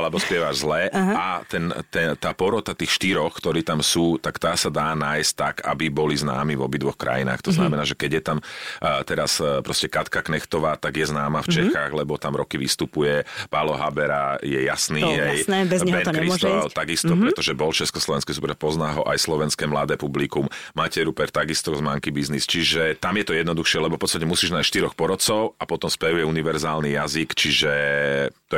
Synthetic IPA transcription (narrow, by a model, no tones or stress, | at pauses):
alɛbɔspɪɛʋaʒzlɛat̪ɛnt̪ɛt̪aːpɔɾɔt̪at̪iːxʃt̪iɾɔxkt̪ɔɾiːt̪amsuːt̪akt̪aːsad̪aːnaːjsc̚t̪ːaɡa̰bibɔlizna̰ːmivɔbid̪ʋɔxkɾʔa̰jḭna̰ːxt̪ɔzna̰mɛnaːʒɛkɛɟjɛt̪amt̪ɛɾaspɾɔscɛkat̪kaknɛxt̪ɔʋaːt̪aɡjɛznaːmaft͡ʃɛxaːɣlɛbɔt̪amɾɔkiʋist̪upujɛpalɔɦabɛɾajɛjasniːɛj̪ɛɛkɾist̪ɔat̪aɡist̪ɔpɾɛt̪ɔʒɛbɔlt͡ʃɛskɔslˠɔʋɛnskɛsupɾɛpɔznaːɦɔʔajslɔʋɛnskɛːmla̰d̪ɛːpublikummaːcɛɾupɛɾt̪aɡist̪ɔzmaŋkibiznist͡ʃiʒɛt̪amjɛt̪ɔjɛd̪nɔd̪uxʃɪɛlɛbɔfpɔtt͡sst̪acɛmusiːʒnajsʃt̪iɾɔxpɔɾɔt͡sɔʊapɔt̪ɔmspɛujɛuniʋɛɾzaːlnijazikt͡ʃiʒɛt̪ɔ